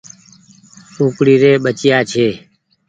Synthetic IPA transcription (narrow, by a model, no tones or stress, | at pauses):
ũːkɽiːɾeːɓət͡ʃjaːt͡ʃʰeː